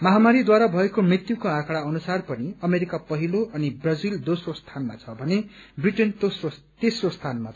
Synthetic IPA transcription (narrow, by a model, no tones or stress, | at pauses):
mʌɦamaɾid̪waɾabʱʌekomrit̪jukoãkʰaɽaʌnusarpʌniʌmeɾikapʌɦiloʔʌnibrʌd͡zild̪osrost̪ʰanma̰t͡sʰʌbʱʌnebriʈenso | t̪esrost̪ʰanmat͡sʰ